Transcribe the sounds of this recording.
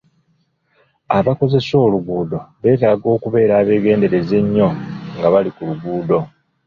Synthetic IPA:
aβako̞ze̞so̞ːluɡuːdo̞βe̞ːtaːɡo̞ːkuβe̞ːɾaːβe̞ːɡe̞ːnde̞ɾe̞ze̞ɲːo̞ŋɡaβalikuluɡuːdo̞

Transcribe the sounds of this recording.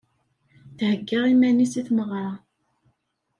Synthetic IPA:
θhəɡːəʁimænisiθməʁɾˤɑ

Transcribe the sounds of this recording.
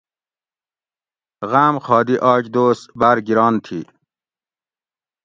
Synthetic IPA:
ɣaːmxɑːd̪iʔɑːd͡ʑd̪oːsbaɾɡiɾɑːnt̪ʰi

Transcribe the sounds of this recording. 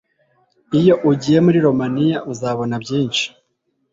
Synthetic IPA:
ijo̞ʔuɟije̞muɾiɾo̞manijaʔuzaβo̞nabjiːnʃi̥

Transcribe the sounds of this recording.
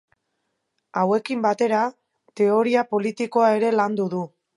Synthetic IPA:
awe̞kimbat̪e̞ɾa | t̪e̞o̞ɾiapo̞lit̪iko̞ae̞ɾe̞land̪uðu

